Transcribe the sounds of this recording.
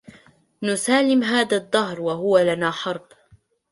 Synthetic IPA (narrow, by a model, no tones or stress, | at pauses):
nʊsaːlɪmɦaːðaðˤːɑɦɾwaɦʊwalanaːħɑɾˤb